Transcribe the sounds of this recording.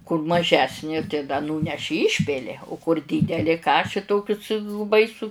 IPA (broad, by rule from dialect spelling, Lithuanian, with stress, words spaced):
kʊr mɐˈʒʲæːsʲnʲeː tɐɪ dɐ ˈnuːnʲɛʃʲɪ ˈiːʃʲpʲɪlʲɪ ʊ kʊr ˈdʲiːdʲɛlʲɪ ˈkɑːʃʲɪ ˈtoːkʲʊs bɐɪˈsʊ